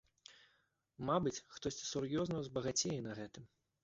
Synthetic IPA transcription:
mabɨt͡sʲxt̪ɔsʲt͡sʲi̥surjɔznɐzbɐɣat͡sʲejɛnɐɣɛt̪ɨm

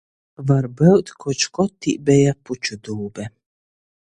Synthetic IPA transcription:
vaɾbɛwt̪kʰɔt͡ʃkɔt̪ːḭːbɛjaput͡ʃud̪uːbɛ

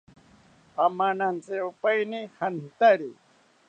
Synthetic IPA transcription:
amanant͡seupajnihant̪aɾi

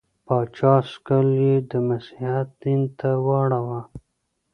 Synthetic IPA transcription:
pɑt͡ʃɑskaljed̪əmasihat̪̚d̪int̪awɑɽawa

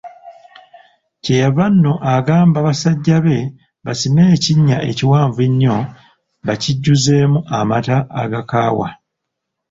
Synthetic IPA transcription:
cejaβanːo̞ʔaɡaːmbaβasaɟːaβe̞ | βasime̞ːciɲːaʔe̞ciwaːɱveɲːo̞ | βaciɟːuze̞ːmuʔamataːɡakaːwa̰

